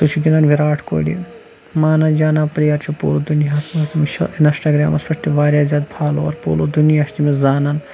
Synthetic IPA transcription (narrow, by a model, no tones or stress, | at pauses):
t̪ut͡ʃʰuɡinanʋiɾaːʈʰko̰ːlḭ | maːnaːd͡ʒaːnaːpɾijɐːɾt͡ʃʰupṵːlod̪unjaɐsmɐst̪imʃinɐsʈɐːɡɾa̰ːmɐspɐʂt̪iʋaːɾʲjaːzʲaːd̪̚pʰaːlo̰ɐɾpṵːlod̪unijaːst̪imezaːnan